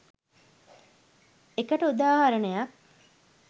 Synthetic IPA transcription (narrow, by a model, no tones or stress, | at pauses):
ekəʈəud̪aːɦɐɾənəjɐk